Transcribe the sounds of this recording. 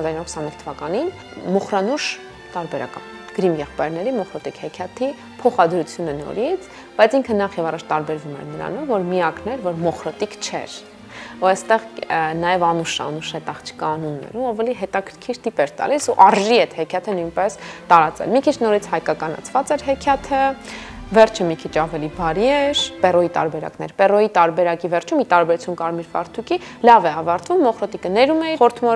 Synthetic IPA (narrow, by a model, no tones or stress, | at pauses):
hɑzɑɾinɑɾkʰsɑnukt̪ʰəvɑkɑnin | mɔχɾɑnuʃ | t̪ɑɾbɛɾɑ̰kɑ̰ | ɡ̥əɾimjɛχpɑjɾnɛɾimɔχɾɔt̪ikhɛkʰjɛt̪ʰi | pʰɔχɑd̪ɾut͡sʰjunənɔ̰ɾit͡sʰ | b̥ɑjt͡sʰiŋkʰənɑχjɛvɑrˤɑt͡ʃʰt̪ɑɾbɛɾvumɛ̰ɾnəɾɑ̰nɔvːɔɾmiɑknɛɾvɔɾmɔχɾɔt̪ikt͡ʃʰɛ̰ɾ | uɛst̪ɛʁnɑjɛvɑnuʃəɑ̰nuʃɛt̪ɑχt͡ʃʰə̥kɑːnunːɛ̰ɾuɑvɛliɦɛt̪ɑkʰəɾkʰiɾt̪ipɛɾt̪ɑ̰lisuʔɑɾʒiɛt̪hɛkʰjɑt̪ʰənujnpɛst̪ɑɾɑt͡sɛ̰lmikʰit͡ʃʰnɔɾit͡sʰhɑjkɑkɑnɑ̰t͡sʰvɑt͡sɛɾɦɛkʰjɑt̪ʰə | vɛɾt͡ʃʰəmikʰit͡ʃʰɑvɛlibɑɾiɛɾpɛrɔit̪ɑ̰ɾbɛɾɑ̰knɛ̰ɾpɛrɔjit̪ɑɾbɛɾɑkivɛɾt͡ʃʰumit̪ɑɾbɛɾut͡sʰunkɑɾmiɾvɑ̰ɾt̪ʰuki | lɑvɛɑvɑɾt̪vumːɔχɾɔt̪ikənɛɾumɛiɔɾt̪ʰmɔ